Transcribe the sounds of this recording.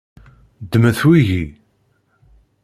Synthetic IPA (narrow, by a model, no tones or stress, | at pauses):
d̪ːmæθwiʝi